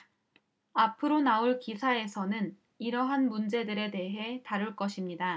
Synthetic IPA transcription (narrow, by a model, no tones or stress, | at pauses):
apʰɯɾonaoɭkisʰae̞sʰʌnɯn | iɾʌɦanmund͡ʑe̞dɯɾe̞de̞ɦe̞taɾuɭk͈ʌɕʰimɲida